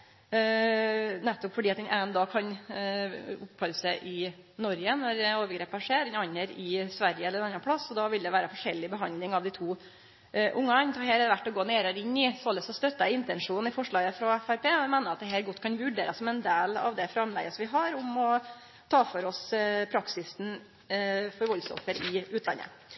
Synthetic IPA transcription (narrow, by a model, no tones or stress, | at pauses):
nɛt̪ːɔpfɔɖiːɑt̪̚d̪ɛnʔæːɛnd̪ɑːkʰɑn | ʊpʰːœɾəsɛɪʔɪnɔɾjənɔɾoːʋəɾɡɾeːpəʂeːɾɛnɑnːəɾɪsʋæɾjəɛlːəɾɛnɑnɑnpʰɽɑsːɔd̪ɑʋɪld̪ɛʋæːɾəfɔʂɛlːɪbəɦɑnlɪŋɑʋd̪ɪt̪ʰuː | ʔʊŋːəɑnt̪ʰɑhɦeːɾɛʋæʈːɔɡoːneːɾəɾɪnːɪsɔlːəsɔst̪œt̪ːəɪnt̪ɛnʂuːnn̩ɪfɔʂɭɑːɡəfɾɑɛfæɾpeːɪmæɪnəɑt̪̚d̪ɛɦæːɾɡɔt̪ːkʰɑnʋʉɖeːɾəsɔmɛnd̪eːlɑ̰ʋd̪ɛfɾɑmlɛ̰ɡəsɔmʋɪɦɑɾʊmɔ | t̪ʰɑːfɔɾɔspʰɾɑksɪsn | fɔɾʋɔlsɔ̰fːəɾɪʉːt̪lɑ̰nːə̰